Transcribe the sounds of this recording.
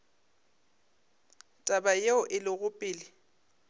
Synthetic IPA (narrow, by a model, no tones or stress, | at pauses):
tʼabajeʊʔɪlɪɣʊpʼɪːlɪ